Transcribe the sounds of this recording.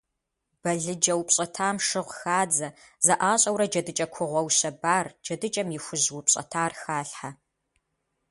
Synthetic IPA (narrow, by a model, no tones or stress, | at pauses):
b̥ɐɮɨd͡ʒɐwpɕʼɐtʰaːmʂɨʁʷxaːd͡zɐ | zɐʔaːɕʼɐwɾɐd͡ʒɐdɨt͡ʃʼɐkʷʰʊʁʷɔwɕɐbaːrd͡ʒɐdɨt͡ʃʼɐmjɪxʷʊʑwʊpɕʼɐ̰tʰaːrxaːɬħa